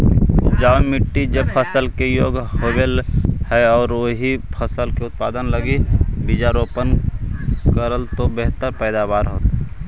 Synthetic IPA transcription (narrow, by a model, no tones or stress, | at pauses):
d͡ʒaːʊmɪʈːid͡ʒəb̚pʰəsəlkejoːɡɦobelhɛɔːɾoɦipʰəsəlkeʊt̪̚pa̰ːd̪ənləɡibid͡ʒaɾoːpən | kəɾəlt̪obeɦt̪əɾpɛːd̪abaːɾɦoːt̪